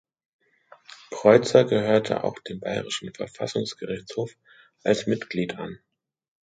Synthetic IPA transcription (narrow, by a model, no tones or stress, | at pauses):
kʁ̥ɔʏt͡sɐɡəhøːɐtʰə̰ʔa̰ʊxd̥eːmba̰ɪʁɪʃn̩fɛɐfasʊŋsɡ̥əʁɪçt͡shoːf | ʔalsmɪtɡ̥liːtʰa̰n